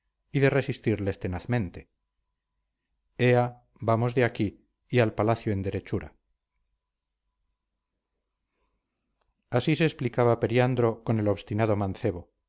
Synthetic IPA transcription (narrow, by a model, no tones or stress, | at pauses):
iðe̞re̞sist̪iɾlest̪e̞naθmẽ̞nt̪e̞ | ea | bamo̞zðeakiː | alpalaθjoe̞nd̪e̞ɾe̞t͡ʃuɾa̰ | asise̞ːsplikaβape̞ɾjand̪ɾo̞ko̞ne̞lo̞βst̪inaðo̞mãnθe̞βo̞